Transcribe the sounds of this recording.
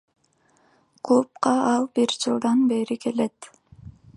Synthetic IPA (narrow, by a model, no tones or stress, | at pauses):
kʰop̚qɑɑlˠbiɾd͡ʒɯlˠd̪ɑnbeɾike̞let̪